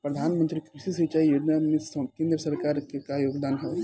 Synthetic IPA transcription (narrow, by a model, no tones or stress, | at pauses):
pɾɐd̪ʱaːnmə̃nt̪ɾikʰɾuʃis̬it͡ʃaːijoːd͡ʒnamẽskẽːnd̪ɾəsɐɾkaːɾkekajoːɡd̪aːnɦoː